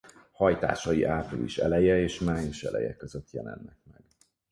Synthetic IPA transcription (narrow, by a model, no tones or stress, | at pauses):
hɒjt̪a̰ːʃɒjiʔaːprilḭʃɛlɛjɛeːʃmaːjiʃɛlʔɛjɛkːøzøt̪jɛlɛnːɛk̚mɛɡ̥